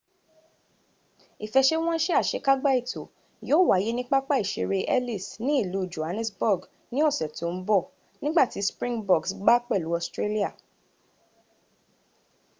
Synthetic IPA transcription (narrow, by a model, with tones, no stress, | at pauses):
i˨fɛ˧ʃe˦w̃ɔ̃˦ʃɛ˦a˦˨ʃe˨˧˦ka˦ɡ͡ba˦i˦˨to˨ | joː˦˨wa˨˦je˦nĩ˦k͡pa˦k͡pa˦i˨ʃḛ˧ɾe˧ʔɛ̰˦li˦˨snĩ˨˦i˦˨lu˨˦˨d͡ʒo˨ha˧nɛ̃˦sbɔ˦˨ɡ | nĩ˦ɔ˦˨sɛ˨tʰo˨˦n̩˦bɔ˦˨ | nĩ˦ɡ͡ba˦˨ti˨˦spɾĩ˦ŋbɔ˦˨ɡsɡ͡ba˦k͡pɛ˦˨lu˨˦ɔ˧˨stɾe˦li˦a˦˨